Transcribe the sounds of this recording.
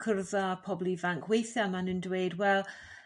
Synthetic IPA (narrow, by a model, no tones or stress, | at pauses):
kʰərðapʰɔblivaŋkʰwejθjamanəndweɨdwɛlˠ